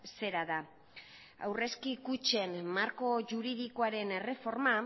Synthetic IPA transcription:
se̞ɾaða | a̰wre̞skikut͡ʃe̞nmaɾko̞ʝuɾiðikoaɾe̞ne̞re̞fo̞ɾma

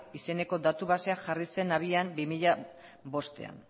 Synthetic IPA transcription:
ise̞ne̞ko̞d̪at̪uβaseaʝarise̞naβ̞iambimiʎa | βo̞st̪e̞̰a̰n

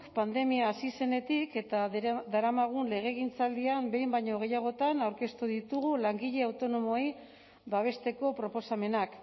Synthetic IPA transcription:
kpand̪e̞miaːsise̞ne̞t̪ike̞t̪ad̪aɾamaɣ̞unle̞ɣ̞e̞ɣint͡sald̪iambe̞jmbajɲo̞ɣ̞e̞jaɣ̞o̞t̪anawɾke̞st̪uðit̪uɣulaŋɡiʎe̞awt̪o̞no̞mo̞j | baβ̞e̞st̪e̞ko̞pɾo̞po̞same̞nak

